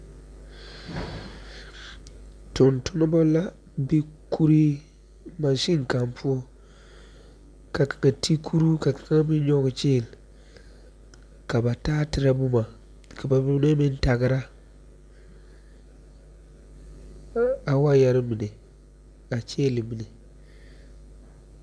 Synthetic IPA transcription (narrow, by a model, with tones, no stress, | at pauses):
tʊ˨ntʊ˦na˦ba˦la˦ | bi˦kʰu˦ɾi˦ | ma˨ʃi˦ŋ˨ka˨mpʰu˦o˦ | ka˨kḁ˨ŋa˨tʰi˦kʰu˦ɾu˦ka˨kḁ˨˦ŋa˦bi˦ɲɔ˦ɡt͡ʃeː˦˨l | ka˨ba˨taː˦tɪ˦ɾa˦bʊ˦ma˨ | ka˨ba˨bi˦bne˦mɪ˦n˦ta˨ɡɪ˦ɾa˦ | a˨wa˦ja˦ɾɪ˦mi˨ne˨ | a˨t͡ʃeː˦˨li˨mi˨ne˨